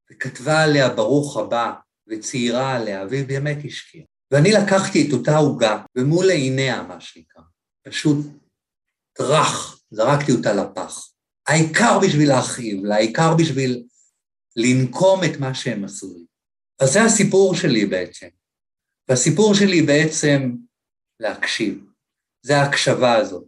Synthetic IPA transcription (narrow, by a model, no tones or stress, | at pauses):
vekatvaːle̞abaʁuχhaba | vet͡siiʁaːle̞avbeːme̞thiʃkʰia | veanilakaχtieto̞tauɡavemuleine̞a̰maʃenikʁa | paʃut̚ː | ʁaχzaʁaktio̞talapa̰χ | aikaʁbiʃvilaːχivlaikaʁbiʃvilː | inkʰo̞metmaʃeemasuʁi | vazeasipuʁʃe̞libeet͡sem | veasipuʁʃelibe̞et͡se̞m | leakʃiv | zeaːkʃavaːzo̞t̚